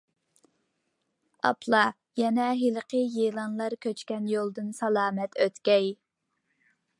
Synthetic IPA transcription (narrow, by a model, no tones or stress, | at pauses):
ɑ̰pʰlˠɑ | jɛnɛɦilˠəqʰəjelˠɑnlˠɑɾkʲʰøt͡ʃkʲɛnjolˠd̪ɨnsɑlˠɑːmɛt̪ʰøt̪kʲɛj